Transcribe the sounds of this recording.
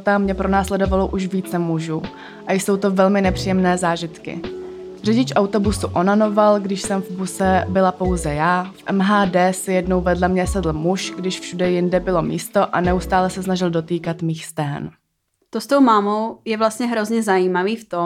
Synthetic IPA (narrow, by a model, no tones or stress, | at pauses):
t̪amɲɛpɾo̞naːslɛdo̞valoʔuʃviːt͡sɛmuʒuː | ʔajso̞wt̪o̞vɛlmɪnɛpr̥iːjɛmnɛːzaːʒɪt̪kɪ̰ | r̝ɛɟɪt͡ʃʔawt̪o̞busuʔonano̞valɡdɪʃsɛmvbusɛbɪlapo̞wzɛjaːfʔɛmɦaːdɛːsɪjɛdnowvɛdlɛmɲɛsɛdl̩ˠmuʃɡdɪʃfʃudɛjɪndɛbɪlo̞miːst̪o̞ʔanɛust̪aːlɛsɛsnaʒɪldo̞t̪iːkat̪miːxst̪ɛɦɛ̰n | t̪ost̪owmaːmowjɛvlast̪ɲɛɦɾo̞zɲɛzajiːmaviːft̪o